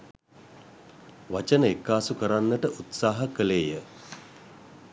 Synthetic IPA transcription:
ʋat͡ʃənəekːaːsukəɾanːəʈəʔut̪saːɦəkəleːjə

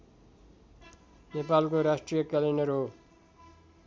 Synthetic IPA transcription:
nepalkoɾasʈrijʌkʌlinʌɾɦo

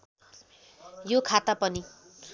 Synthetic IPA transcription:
jokʰat̪apʌni

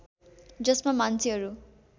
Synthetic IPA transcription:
d͡zʌsmamant͡sʰiɦʌɾu

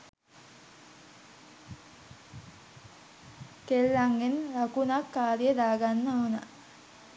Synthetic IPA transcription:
kelːaŋɡenlakunakːaːɾjəd̪aːɡanːauna̰

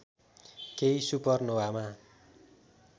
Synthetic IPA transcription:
kejsupʌrnowama

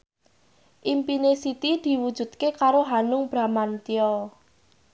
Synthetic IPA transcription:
ʔimpinesit̪id̪̥i̤wud̥ʒ̥ṳt̪kekaɾoɦanʊŋb̥ɾa̤mant̪iɔl

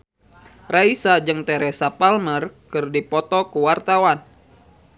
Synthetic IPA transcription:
raisad͡ʒɨŋt̪ɛɾɛsapalmərkɨrdipɔt̪ɔkuwart̪awan

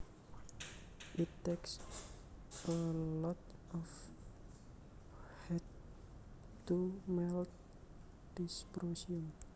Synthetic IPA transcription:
ʔitːeks | ʔəlɔt̪ɔf | hɛt | tumɛl | dispɾosium

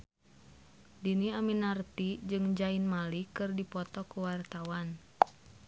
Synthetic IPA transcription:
diniaminart̪id͡ʒɨŋd͡ʒainmalikɨrdipɔt̪ɔkuwart̪awan

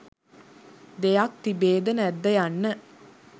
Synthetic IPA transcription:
d̪ejak̚t̪ibeːd̪ənɛd̪ːəjanːə

